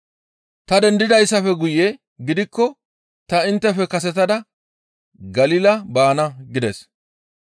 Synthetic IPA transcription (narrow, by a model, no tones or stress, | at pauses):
t̪ɐd̪ɛnd̪ɪd̪ɐjsːɐfɛɡʊjɛ | ɡɪd̪ɪkːɔ | t̪ɐɪnt̪ːɛfɛkɐs̬ɛt̪̬ɐd̪ɐ | ɡɐliːlɐbaːnɐɡɪd̪ɛs